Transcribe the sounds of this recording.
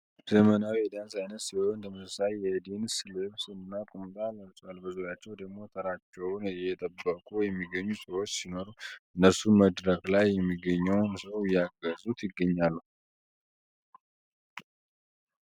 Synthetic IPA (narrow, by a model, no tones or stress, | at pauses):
zəmənawɛd̪ansajnət̪sihont̪ʰəməsəsajjɛd̪insleβsɨnːakʼumt̪ʼaləlsʼalːbɨzuɾjat͡ʃːɛwd̪əɡmo̞t̪ʰəɾat͡ʃːɛwnjɛt̪ʰʼəbːəkʼujɛmːiɡəɲːusəwo̞t͡ʃːsino̞ɾuɨnːəɾsunməd̪ɾəklajːɛmːiɡːəɲːəwnsəwjaɡəzut̪jɪɡːəɲːalːu